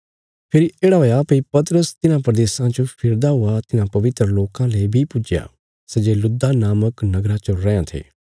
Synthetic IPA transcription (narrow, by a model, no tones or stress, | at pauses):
pʰɪɾieːɽaɦoːjapəipɐt̪əɾəst̪ɪnãpɾəd̪eːsãt͡ʃõpʰɪɾd̪aɦʊat̪ɪnãːpɐʋɪt̪ɾəloːkãleːbʱipʊd͡ʒja̰ː | sɛd͡ʒeːlʊd̪anaːməknɐɡɾat͡ʃəɾɛ̃ːjãt̪ʰḛː